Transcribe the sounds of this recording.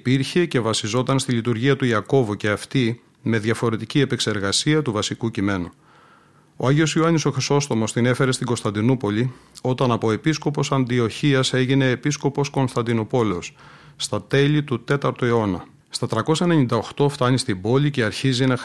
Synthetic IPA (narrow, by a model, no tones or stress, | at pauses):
piɾçe̞ce̞vɐsizo̞t̪ɐnst̪ilit̪uɾʝiɐt̪uiɐko̞vuce̞ɐft̪i | me̞ðʝɐfo̞ɾe̞t̪icie̞pekse̞ɾɣɐsiɐt̪uvɐsikucime̞nu | o̞ɐʝio̞sjuɐniso̞xɾiso̞st̪o̞mo̞st̪ine̞fe̞ɾe̞st̪iɡo̞st̪ɐnd̪inupo̞lio̞t̪ɐnɐpo̞e̞pisko̞po̞sɐnd̪io̞çiɐse̞ʝine̞ːpisko̞po̞sko̞nst̪ɐnd̪ino̞po̞le̞o̞sːt̪ɐt̪e̞lit̪ut̪e̞t̪ɐɾt̪oeo̞nɐ | st̪ɐt̪ɾɐko̞sɐene̞ɲind̪ɐoxt̪o̞ft̪ɐɲist̪ibo̞liceɐɾçizinɐ